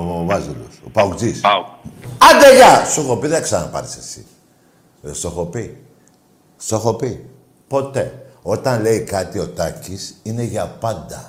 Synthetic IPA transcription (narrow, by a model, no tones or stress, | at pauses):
vɐzilo̰sopɐukd͡zis | ɐnd̪eʝɐsoxo̞piðeksɐnɐ̰pɐ̰ɾi̥sesi̥̰ | ðest̪oxo̞pi | soxo̞pi | po̞t̪e̞o̞t̪ɐnle̞ikɐt̪io̞t̪ɐcisine̞ʝɐpɐnd̪ɐ